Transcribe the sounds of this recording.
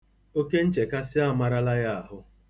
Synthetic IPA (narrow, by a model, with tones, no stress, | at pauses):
o˦ke˦n̩˦t͡ʃe˨ka˦sɪ˦a˦˨ma˦ɾa˦la˦ja˦a˨ɦʊ˦